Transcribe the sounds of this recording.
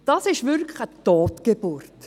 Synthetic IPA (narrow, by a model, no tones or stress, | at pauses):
d̥ɑsɪʃvʏɾklətoːtɡ̥eb̥ʊrt